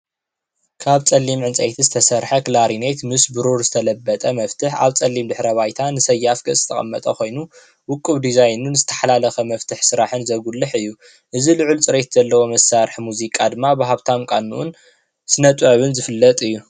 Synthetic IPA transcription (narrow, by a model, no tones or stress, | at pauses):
kʰaβt͡sʼɐlːimʕɨnt͡sʼɐ̰jt̪ʰizɨt̪ʰɐsɐɾħɐklaɾinet̪mɨsbɨɾuɾzɨt̪ʰɐlɐbːɐt̪ʼɐmɐft̪ʰɨħa̰βt͡sʼɐlːimd̪ɨħɾɐβajt̪ʰanɨsɐjːafkʼɨ̰zɨt̪ʰɐkʼɐ̰mːɐt̪ʼɐko̞jnu | wʊkʼːɨβd̪izajnunɨzɨt̪ʰɐ̥ħalalɐxɐmɐft̪ʰɨħsɨɾaħɨnzɐɡulːɨħɨjːu | ʔɨzilɨʕult͡sʼɨɾet̪z̥ɐlːɐwo̞mɐsːaɾħmuzikʼad̪ɨmːabaɦaβt̪ʰamkʼanːṵʔʊn | sɨnɐt̪ʼʕɐβɨnzɨfɨlːɐt̪ʼɨjːu